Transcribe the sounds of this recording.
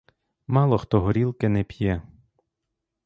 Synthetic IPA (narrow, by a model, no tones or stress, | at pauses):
mɑlˠɔxt̪ɔɦɔɾʲilˠkɪnɛpʲjɛ